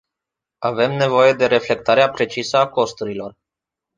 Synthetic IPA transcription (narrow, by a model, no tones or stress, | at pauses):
ave̞mne̞vo̞je̞d̪e̞ɾe̞fle̞k̚t̪aɾeapɾe̞t͡ʃisəako̞st̪uɾilo̞r